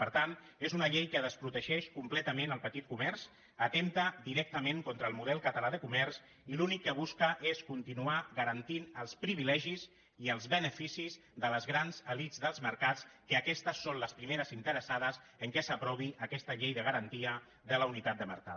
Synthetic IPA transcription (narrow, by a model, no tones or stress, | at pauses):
pəɾt̪an | ezunəʎejkəðəspɾut̪əʒɛʃkumplɛt̪əmenəlˠpət̪it̪̚kumɛɾz̥ | ət̪emt̪əd̪iɾɛk̚t̪əmeŋkɔnt̪ɾəːlˠmuðɛlˠkət̪əlaðəkumɛrz | ilunikːəβ̞uskəʔeskunt̪inuaɣəɾənt̪inəlˠspɾiβilɛʒiz | iəlˠzβənəfisiz | ðələzɣɾanzəlizðəlˠzməɾkat͡skəːkɛst̪əsːonləspɾimeɾəzint̪əɾəsaðəz | əŋkɛsəpɾɔβiʔəkɛst̪əʎejðəɣəɾənt̪iə | ðələunit̪at̪̚d̪əmə̰ɾka